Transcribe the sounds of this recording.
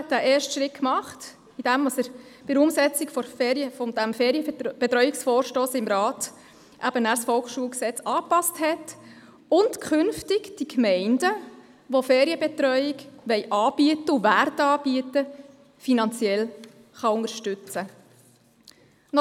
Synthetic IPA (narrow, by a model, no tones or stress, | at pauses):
t̚dæʔeːrʃtʃɾɪt̚kmɑχt | id̥ɛmɑsəɾ | b̥ɪdɾʊmsɛt͡sɪkfɔfɾjəfɔd̥æmfɛːɾijəb̥ɛtɾœʏɪksfɔːɾʃtoːsɪmɾɑːt | ʔæbənæːɾsfɔlksʃuəlksɛt͡sɑːpɑsthɛt | ʊntkʰχʏnftɪɡd̥ikmɛɪnd̥ə | ʋofɛːɾjəbɛt̪ɾœʏɪɡʋɛɪʔɑːb̥iətəʊʋærtɑːb̥iətə | finɑnt͡sjɛl | χɑʊndəɾʃtʏt͡sə | nɔ